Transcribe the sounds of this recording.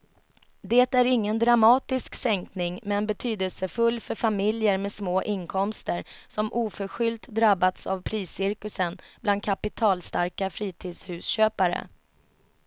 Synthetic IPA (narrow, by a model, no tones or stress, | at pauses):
d̪eːt̪æɾɪŋːənd̪ɾamɑːt̪ɪsksɛŋknɪŋmɛnbɛt̪ʰyːd̪əlsəfɵlːfœɾfamɪljəɾmɛsmoːʔɪnkʰɔmst̪əsɔmʔuːfœɧʏlt̪d̪ɾabːat̪sa̰vpʰɾiːsɪɾkɵsənbland̪kʰapɪt̪ʰɑːlst̪aɾkafɾiːt̪ʰiːd̪shʉ̟ːsɕøːpaɾə̰